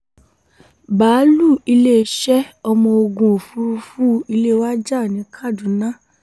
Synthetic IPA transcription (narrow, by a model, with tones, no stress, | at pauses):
baː˨˦lu˦˨i˧le˦˨˧ʃɛ˦ɔ˧mɔ̃˧o˧ɡũ˨fu˧ɾu˧fu˦i˧le˦wa˦d͡ʒa˦˨nĩ˨˦kʰa˦˨dũ˨˦nã˦